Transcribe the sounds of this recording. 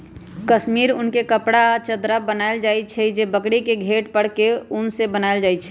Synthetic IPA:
kəsmiɾʊnkekəpɽat͡ʃəd̪ɾabənaɪld͡ʒajt͡ʃʰɛd͡ʒebəkɽikeɡʱeʈpəɽ̤keʊnsebənaɪld͡ʒajt͡ʃʰɛ̥

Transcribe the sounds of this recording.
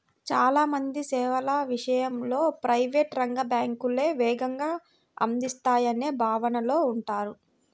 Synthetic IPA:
t͡ʃaːlaːmɐnd̪isɛːʋɐlɐʋiʂɐjɐmlo̞ːpɾɐjʋeːʈɾɐŋɡɐbaːŋkule̞ːʋɛːɡɐŋɡaː | ɐ̰nd̪ist̪aːjɐneːbʱaːʋɐnɐlo̞ːuɳʈaːɾu

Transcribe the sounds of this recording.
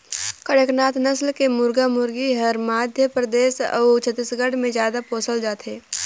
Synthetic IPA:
kəɽəknaːt̪nəslkemʊɾɡamʊɾɡiɦɐɾmaːd̪ʱjəpɾəd̪eːsə̰t͡ʃʰət̪ːisɡəɽmẽzjaːd̪apoːsəld͡ʒaːt̪ɦeː

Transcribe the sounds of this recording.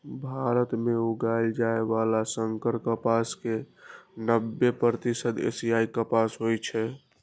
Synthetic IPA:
bʱaɾət̪meuɡajld͡ʒaeʋalasəŋkəɾkəpaskenəbːepɾət̪isəd̪ḛsiaikəpasɦojt͡ʃʰɛ

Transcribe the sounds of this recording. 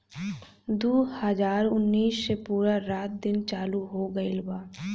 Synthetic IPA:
d̪uːhəd͡ʒaːɾʊnːiːssepuːɾaɾaːt̪̚d̪ɪnt͡ʃaːluɦoːɡəelbaː

